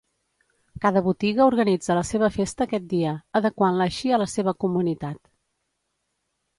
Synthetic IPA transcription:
kaðəβut̪iɣəuɾɣənid͡zələseβəfest̪əːkɛt̪̚d̪iəəðəkwanləʃiələseβəkumunit̪at̪

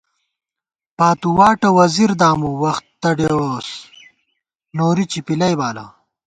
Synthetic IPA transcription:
paːt̪uwaːʈɐwɐziɾd̪aːmuwɐxt̪ːɐɖeos | noːɾit͡ɕipilɐjbaːlɐ̰

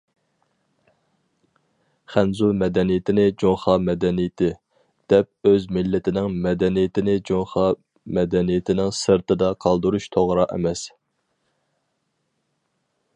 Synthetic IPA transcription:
χænzumɛd̪ɛnijɪt̪ʰɪnɪd͡ʒoŋχɑmɛd̪ɛnijɪt̪ʰɪ | d̪̥ɛp̚øzmɪlːɪt̪ʰɪnɪŋmɛd̪ɛnijɪt̪ʰɪnɪd͡ʒoŋχɑ | mɛd̪ɛnijɪt̪ʰɪnɪŋsɨɾt̪ɨd̪ɑqʰɑlˠd̪uɾuʃt̪ʰoʁɾɑʔɛ̰mɛs

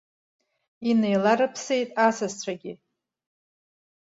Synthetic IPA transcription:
ine̞jlaɾɨpʰsejtʼasazt͡ɕʷʰaɡʲɪ

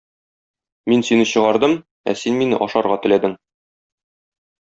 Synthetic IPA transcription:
minsinɘɕɤ̆ʁɑɾd̪ɤm | æ̰sinminɘ̰ʔɒʃɑɾʁɑt̪ɘ̆læd̪ɘŋ

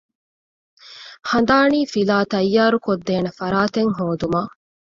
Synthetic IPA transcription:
hɐnd̪aːniːfilaːt̪ɐjːaːɾukod̪ːeːnɐfɐɾaːt̪eŋɦoːd̪umaː

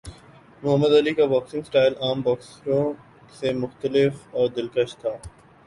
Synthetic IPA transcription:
mʊɦəmːəd̪ɐlikabɔːksɪ̃ŋɡsʈaːɪlaːmbɔːksɾõ | semʊxt̪əlɪfɔːɾd̪ɪlkəʃt̪ʰaː

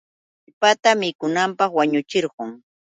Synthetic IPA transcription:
ʎpat̪amɪkʊnampɑχwaɲʊt͡ʃɪɾɢʊŋ

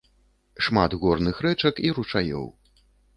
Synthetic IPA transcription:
ʂmad̪ɣɔrnɨxɾɛt͡ʂɐkiɾut͡ʂajɔ̰w

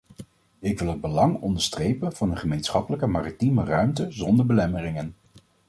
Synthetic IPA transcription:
ɪkʋɪlˠɦəd̚bəlɑŋɔ̰ndəɹstrejpənvɑnənχəmejnsχɑpələkəmaːritimərœɥmtəzɔndəɹbəlɛmərɪŋən

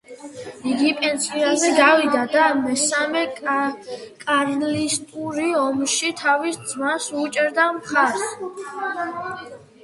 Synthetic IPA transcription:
iɡipʼɛnsiazɛɡavid̪ad̪amɛsamɛ | kʼaɾlist̪ʼuɾiɔmʃit̪ʰavisd̪zmasut͡ʃʼɛɾd̪amχaɾs

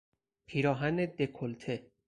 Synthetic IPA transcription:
pʰiːɾɒːɦæned̪ekʰolt̪ʰe

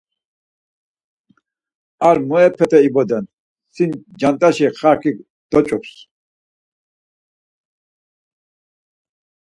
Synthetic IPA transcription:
aɾmɔɛpʰɛt̪ʼɛibɔd̪ɛn | sind͡ʒant̪ʼaʃiχakʰik | d̪̥ɔt͡ʃʼɔps

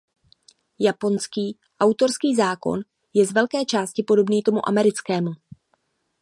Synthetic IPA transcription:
japo̞nskiː | ʔawt̪o̞ɾskiːzaːko̞̰n | jɛzvɛlkɛːt͡ʃaːscɪpo̞do̞bniːt̪o̞muʔa̰mɛɾɪt͡skɛːmu

